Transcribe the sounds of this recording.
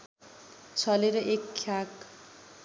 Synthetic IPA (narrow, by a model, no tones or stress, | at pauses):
t͡sʰʌleɾʌʔekʰːjak